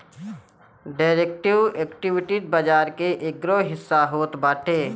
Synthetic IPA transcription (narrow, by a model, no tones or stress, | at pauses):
ɖaːɾeːk̚ʈɪweːkʈɪʋɪʈid̪̚bad͡ʒaːɾkeʔeɡɾoɦɪsːaɦoːt̪baːʈʰeː